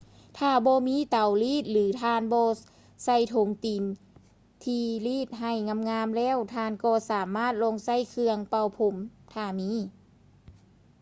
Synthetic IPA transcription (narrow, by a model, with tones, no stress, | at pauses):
t̪ʰaː˧˩bɔː˧˦miː˧˥˨t̪a˨˩wliː˧˥˩t̪̚lɯː˨˦t̪ʰaː˧˨nbɔː˧ | sa˧˩jt̪ʰo˨˦ŋt̪i˨˩˦n | t̪ʰiː˧liː˧˥˩t̪̚ɦa˧˩jŋa˧˥˨mŋaː˧˥˨mlɛː˧˥˨wt̪ʰaː˧nkɔː˧˩saː˨˦maː˥˨t̪̚lo˧˥˨ŋsa˧˥˨jkʰɯ˧əŋpa˧˩wpʰo˧˦mt̪ʰaː˧˩miː˧˥˨